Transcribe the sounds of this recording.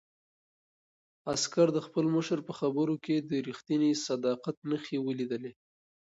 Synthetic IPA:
askaɾd̪əxpəlməʃəɾpəxabəɾoked̪əɾixt̪inisad̪ɑqat̪nəxewəlid̪əle

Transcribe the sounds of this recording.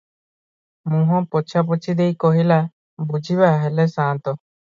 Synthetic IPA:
mũɦɔ̃pɔt͡ʃʰap̬ɔt͡ʃid̪ejkɔɦila | bud͡ʒʱibaɦɛlɛsãnt̪ɔ

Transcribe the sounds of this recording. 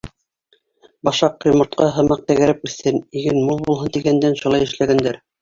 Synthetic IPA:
bɑʃɑq̚ːrʲɪmort̪̚qɑɦɤ̆mɑq̚t̪æɡæ̆ɾæpʉθːɘniɡɘnmulˠbulˠɦɤnt̪iɡænd̪ænʃulˠɑjɘ̆ʃlæɡænd̪æɾ

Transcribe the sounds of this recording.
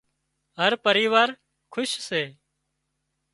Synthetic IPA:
ɦəɾpəɾiːʋaːɾ | kʰʊʃseː

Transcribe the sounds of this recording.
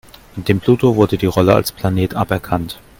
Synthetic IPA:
ʔɪnd̥eːmpl̥uːtovʊɐdədiːʁɔləa̰lspl̥aneːtʔapɛɐkʰant

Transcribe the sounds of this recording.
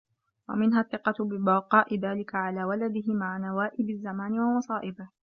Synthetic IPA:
wa̰mɪnɦaθːɪqɑt̪bɪbɑqɑːʔɪðaːlɪkaʕalaːwalad̪ɪɦɪmaʕanawaːʔɪbazːamaːnɪwɑmɑsˤɑːʔɪbɪh

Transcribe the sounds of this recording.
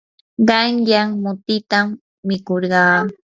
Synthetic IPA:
ɢɑŋjaŋmʊt̪ɪt̪amː | ɪkoɾɢɑː

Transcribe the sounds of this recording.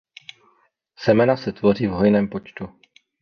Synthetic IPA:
sɛmɛnasɛt̪vo̞r̝iːvɦo̞jnɛːmpo̞t͡ʃt̪u

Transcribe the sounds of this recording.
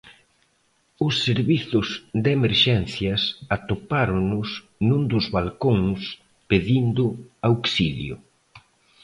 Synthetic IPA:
ʊsːeɾβiθʊzd̪emeɾʃɛnθjɐsat̪opaɾʊnʊs | nũnd̪ʊzβalkoŋs | peðind̪ʊawksiljʊ̰

